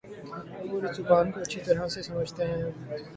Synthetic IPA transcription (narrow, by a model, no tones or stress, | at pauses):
ɐboɾet͡ʃʊpaːnkoɐtːʃʰit̪ɐɾasesɐməd͡ʒʱt̪eɦɛ̃ː